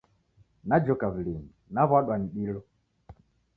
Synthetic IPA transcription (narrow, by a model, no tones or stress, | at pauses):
nad͡ʒɔkaβileŋinaβaɗwaniɗilɔ